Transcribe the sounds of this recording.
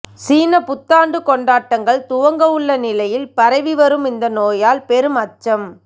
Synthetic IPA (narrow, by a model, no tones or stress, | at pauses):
siːnɐpʊt̪ːaːɳɖɯkɔɳɖaːʈːɐŋɡɐɭt̪ʊʋɐŋɡɐʋɯɭːɐnɪlɐjɪlpɐɾɐɪʋiʋɐɾɯmɪnd̪ɐnoːjaːlpɛɾɯmɐt͡ʃːɐm